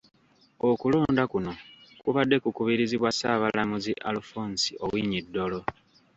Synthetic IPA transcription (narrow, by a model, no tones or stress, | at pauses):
okulo̞ːndakuno̞kuβadːe̞kukuβiɾiziβwasaːβalamuziʔa̰lufoːnsio̞̰wiɲidːo̞lo̞